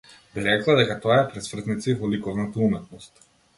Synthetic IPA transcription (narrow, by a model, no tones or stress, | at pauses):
biɾɛklˠad̪ɛkat̪ɔaɛpɾɛsvr̩t̪nit̪sivɔlikɔvnat̪aumɛt̪nɔst̪